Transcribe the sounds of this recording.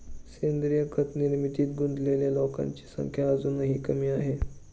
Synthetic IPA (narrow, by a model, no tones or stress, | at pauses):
send̪ɾijəkʰət̪niɾmit̪iːt̪̚ɡund̪leljalokã̰ɲt͡ɕi̥sə̰ŋkʰjaːd͡zunəɦiːkəmiːaɦe